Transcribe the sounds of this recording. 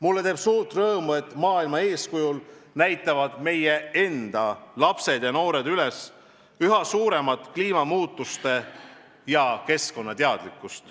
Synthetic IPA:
mulːe̞t̪e̞ːb̥suːɾt̪rɤːmue̞t̪ːˑmɑːilmɑe̞ːskujul | næjt̪ːˑɑvɑd̪̥me̞jee̞nd̪̥ɑlɑpse̞d̪̥jɑno̞ːɾe̞d̪yles | yɦɑsuːɾe̞mɑt̪ˑkliːmɑmuːt̪ːˑust̪e̞ | jɑke̞sko̞nːɑt̪eɑd̪̥likːˑust̪

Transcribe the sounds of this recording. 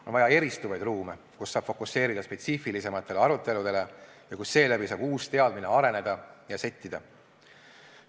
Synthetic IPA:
onvɑjɑe̞ɾist̪uvɑjd̪̥ruːme̞ | kusːɑːb̥fo̞kusːe̞ːɾid̪̥ɑspe̞t̪sifilise̞mɑt̪ˑːe̞le̞ɑɾut̪ˑːe̞lud̪e̞le̞ | jɑkusːe̞ːlæbisɑːb̥uːst̪eɑd̪mineɑɾe̞ne̞d̪̥ɑjɑse̞t̪ʲːid̪̥ɑ

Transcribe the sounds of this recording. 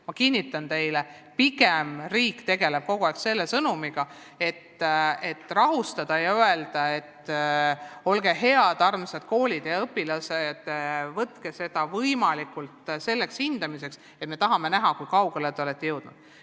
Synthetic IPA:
mɑkinʲːit̪ːˑɑnt̪e̞jle | piɡemriːkːt̪e̞ɡe̞leb̥̚ko̞ɡ̥uɑˑjkse̞lːesɤnumiɡ̥ɑ | e̞t̪ːe̞t̪ːrɑɦust̪ɑd̪̥ɑjɑye̞ld̪̥ɑe̞t̪ː | o̞lɡe̞ɦe̞ɑd̪̥ɑrmset̪ko̞ːlʲid̪̥jɑɤpːilɑsed̪̥vɤt̪kese̞d̪̥ɑvɤjmɑlikult̪se̞lːe̞kshind̪ɑmise̞ks | et̪me̞t̪ɑɦɑme̞næɦɑkujkɑuɡ̥elet̪eolet̪ːejɤwd̪̥nud̪̥

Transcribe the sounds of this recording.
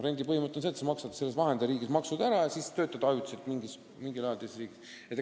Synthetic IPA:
re̞nʲd̪ipɤhimɤt̪ːˑeonseːt̪semɑksɑt̪ːsele̞svɑɦend̪̥eɾiːɡismɑksud̪̥æɾɑjɑsiːst̪ø̞ːt̪ːˑɑd̪̥ɑɑjut̪ʲːˑi̥selt̪miŋɡis | miŋɡilɑjɑlt̪essriːɡ̥is | et̪ː

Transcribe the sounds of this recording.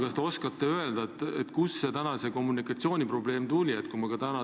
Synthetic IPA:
kɑst̪e̞o̞skɑt̪ːe̞ø̞e̞ld̪̥ɑt̪ːet̪ːkusːet̪ænɑse̞ko̞mːunikˑɑt̪sio̞ːnʲipro̞ble̞ːmt̪ulʲiet̪kumɑkɑt̪ænɑ

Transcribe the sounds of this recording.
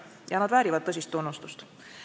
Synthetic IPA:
jɑnɑd̪væːɾivɑd̪̚t̪ːɤs̬ʲist̪ːunːust̪ust̪

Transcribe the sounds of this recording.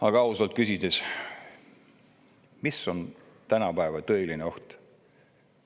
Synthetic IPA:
ɑɡ̥ɑɑusɑlt̪̚kysʲid̪es | misːo̞n | t̪ænɑpæevɑt̪ɤ̞elineo̞ht̪

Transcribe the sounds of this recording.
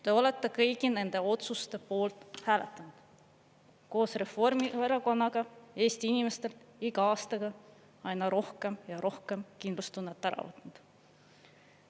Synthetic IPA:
t̪e̞o̞le̞t̪ˑːe̞kɤjɡine̞nd̪̥e̞o̞t̪sust̪e̞po̞ːlt̪ˑhæːlet̪ːˑɑnud̪̥ | ko̞ːsre̞fo̞rmiveɾɑɡo̞nːɑɡ̥ɑe̞ːst̪iinime̞st̪e̞lt̪iɡɑɑːst̪ɑɡ̥ɑ | ɑjnɑɾo̞hke̞mjɑɾo̞hke̞mkind̪lust̪unːet̪ːˑæɾɑ̰vɤt̪ːˑnud̪̥

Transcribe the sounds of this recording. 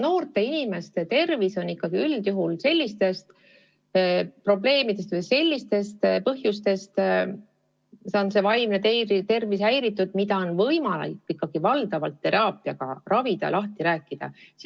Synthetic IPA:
no̞ːrt̪e̞inime̞st̪e̞t̪e̞rviso̞nikːɑɡ̥iyld̪̥juɦulse̞lʲːist̪e̞st̪ | pro̞ble̞ːmid̪̥e̞st̪vɤjse̞lʲːist̪e̞st̪pɤɦjust̪e̞st̪ | seonse̞vɑjmnet̪et̪e̞rvisæjɾit̪ːˑud̪̥mid̪ɑo̞nvɤjmɑlɑ̰jkːikːɑɡ̥ivɑld̪̥ɑvɑlt̪ːe̞ɾɑːpːˑiɑɡ̥ɑ̰rɑvid̪̥ɑ̰lɑht̪iɾæːkːid̪̥ɑ̰s

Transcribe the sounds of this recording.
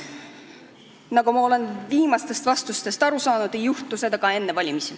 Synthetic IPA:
nɑɡumɑo̞le̞nviːmɑst̪e̞st̪vɑst̪ust̪e̞st̪ɑɾusɑːnud̪e̞juht̪use̞d̪ɑɡ̥ɑe̞nːevɑlʲimisi

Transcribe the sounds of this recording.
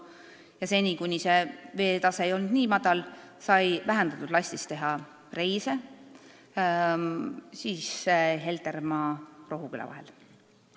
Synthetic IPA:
jɑse̞nʲikujnʲise̞ve̞ːt̪ɑse̞ejo̞lnd̪̥niːmɑd̪̥ɑlsɑjvæɦænd̪ɑt̪ːud̪̥lɑsʲt̪ist̪e̞ɦɑ | re̞jse̞ | siːsɦe̞lt̪e̞rmɑːro̞ɦukylɑ̰vɑ̰ɦe̞̰l

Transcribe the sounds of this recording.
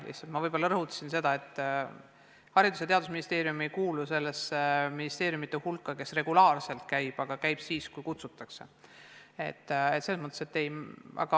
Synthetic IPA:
lḭht̪sɑlt̪mɑvɤjbo̞lːɑɾɤɦut̪ːˑɑ̥sinse̞d̪̥ɑe̞t̪ˑː | hɑɾid̪us̬et̪eɑd̪us̬minist̪e̞ːɾjumejkuːluse̞lːe̞sminist̪e̞ːɾjumit̪ːˑehulkːɑke̞sre̞ɡ̥ulɑːrse̞lt̪̚kæjb̥ɑɡ̥ɑkæjb̥siːskujkut̪sut̪ːˑɑkse̞ | e̞̰t̪ːet̪seːsmɤt̪ːˑese̞t̪ːe̞jæ̰ɡ̥ɑ

